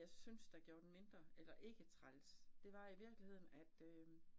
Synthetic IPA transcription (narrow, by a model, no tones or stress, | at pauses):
ɑ̈ɪsynsd̥æ̈ɡ̥jo̝ːɐd̥en̩me̝nd̥ʁɐelɐʔe̝ɡ̥ət͡sʰʁalsd̥e̝ʋɑ̈iʋiɐɡ̥lihe̝ð̰ˠn̩æd̥ø